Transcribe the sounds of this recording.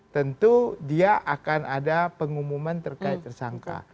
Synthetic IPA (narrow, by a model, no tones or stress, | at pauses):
t̪ənt̪udiaʔakanadapəŋumumant̪ərkaɪt̪ːərsaŋka̰